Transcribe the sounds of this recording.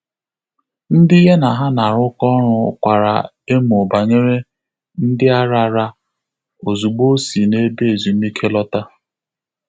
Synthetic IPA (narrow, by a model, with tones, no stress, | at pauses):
n̩˦dɪ˦ɦe˦na˨ɦa˦na˨ɾʊ˦kɔ˦ɾʊ˦˨kʷa˨ɾa̰˨ | e˦mʊ˨ba˨ɲe˦ɾe˦ | n̩˦dɪ˦a˦ɾa˦ɾa˦ | o˨zu˨ɡ͡bo˦si˨ne˦be˨zu˨˦m˦i˦kʰe˦lɔ˦ta˦